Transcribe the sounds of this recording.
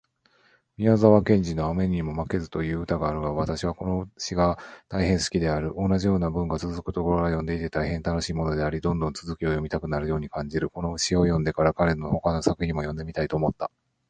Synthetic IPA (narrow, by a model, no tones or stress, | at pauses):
mʲiazaβakẽ̞ɲ̟d͡ʑino̞ame̞ɲ̟imo̞make̞zɨ̥t̪o̞jɯ̟ːɯt̪aɡaːɾɯ̟ɡaβ̞at̪aɕiβ̞ako̞no̞ɕiɡat̪aihẽ̞ɰ̃sɨ̥kʲid̪e̞aɾɯ̟ʔo̞nːaʑijo̞ːnabɯ̟̃ŋɡat͡sɨzɨkɯ̟t̪o̞ko̞ɾoɾajõ̞nd̪e̞it̪e̞t̪aihẽ̞nt̪ano̞ɕiːmo̞no̞d̪e̞aɾʲid̪õ̞nd̪õ̞nt͡sɨzɨkʲio̞jo̞mʲit̪akɯ̟naɾɯ̟jo̞ːɲ̟ikãɲ̟d͡ʑiɾɯ̟ko̞no̞ɯ̟ɕio̞jõ̞nd̪e̞kaɾakaɾe̞no̞ho̞kano̞sakɯ̟çĩmo̞jõ̞nd̪e̞mʲit̪ait̪o̞ːmo̞t̪ːa